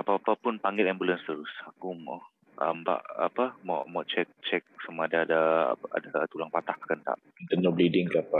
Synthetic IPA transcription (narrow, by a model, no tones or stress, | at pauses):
apapapʊnpaŋɡɛt̪ɛmbulanst̪əɾʊsakumɔ | ʔə̰mba̰ʔa̰pamɔ̰ʔmɔʔt͡ʃɛk̚t͡ʃɛk̚samaadaːda̰a̰dat̪ulaŋpat̪ahkkənt̪a̰ʔ | int̪ənɔblidɪŋkaapa